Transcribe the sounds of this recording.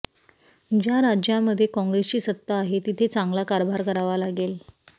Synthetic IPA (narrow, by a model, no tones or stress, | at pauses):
d͡ʑjaɾad͡ʑjaməd̪ʱːjekɔ̃ŋɡɾest͡ɕiːsət̪ːaːɦet̪it̪ʰet͡sãŋɡlakaɾbʱaɾkəɾaʋalaɡel